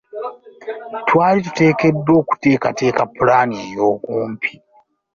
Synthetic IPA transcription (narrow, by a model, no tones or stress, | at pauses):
twaːlitu̥te̞ːke̞dːwo̞ːku̥te̞ːkate̞ːkapulaːniejo̞ːkuːmpʰi̥